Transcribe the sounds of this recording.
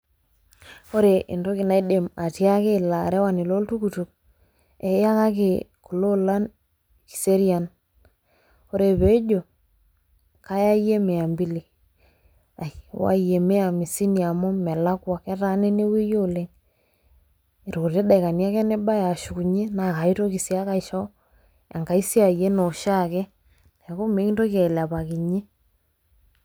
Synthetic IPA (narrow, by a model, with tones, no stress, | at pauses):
o˦ɾe˨ʔɪ̰˨ndo˦kɪ˨na˨i˦de˨ma˨tja˦ke˦˨la˨ɾɛ˦wa˨nɪ˨lo˦ltu˦ku˨tu˨k̚ | ɛ˨ja˦ka˦k̬e˨ku˨lo˦la˦n | ki̥˨se˦ɾja˨n | o˦ɾe˨βe˨˦d͡ʒo˨ | ka˦ja˦je˦me˨a˨mbi˦li˨ | a˨i˨˦wa̰˦je˨me˦a˨mi˨si˦ni˨a˨mɔ˦mɛ˨la˦kwa˨kɛ˦ta˦ne˦ne˦we˦jo˦˨le˦ŋ | e˨ɾo˨ɾe˦da˨jka˨nja˦kɛ˦ne˦ba˦ja˨ʃu˨ku˨ɲe˦na˨ka˨i˦to˦ki˨sja˦ka˦iʃɔ˦ | a̰˨ŋka˨i˦si˦a˨ije˦no˨ʃa˦˨kɛ˦ | nɛ˨˦ko˦me˨˦ki˦nto˦ka˨i˨la˨pa˨ki˨ɲe˦